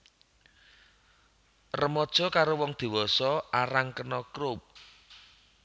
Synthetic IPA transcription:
rəmɔd̥ʒ̥ɔ̤kaɾowɔŋd̪̥i̤wɔsɔaɾaŋkənɔkɾʊp̚

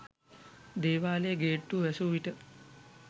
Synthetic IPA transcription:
d̪eːʋaːlejəɡeːʈːuːʋæsuʋiʈə

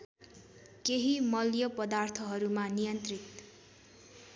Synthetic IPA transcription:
keɦimʌljʌpʌd̪art̪ʰʌɦʌɾumanijʌnt̪rit̪

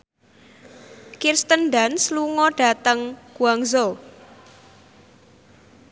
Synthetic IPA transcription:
kirst̪ənɖansluŋɔɖ̥a̤t̪əŋɡ̥uaŋzo

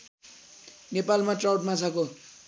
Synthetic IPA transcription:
nepalmaʈrawʈmat͡sʰako

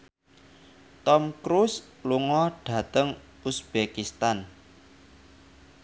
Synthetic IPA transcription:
t̪ɔmkɾus | luŋɔɖ̥ä̤t̪əŋ | usb̥ekist̪an

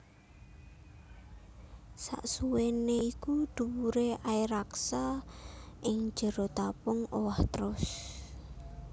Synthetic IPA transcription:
sa̰ʔsuweneikud̪̥ṳwuɾeaiɾaksa | ʔɪŋ̥d͡ʒ̥ə̤ɾɔt̪apʊŋowaht̪əɾʊs

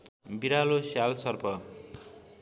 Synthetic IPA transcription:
biɾalosjalsʌrpʰʌ

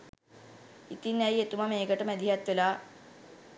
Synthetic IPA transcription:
it̪inæjet̪umameːɡəʈəmæd̪iɦat̪ʋelaː

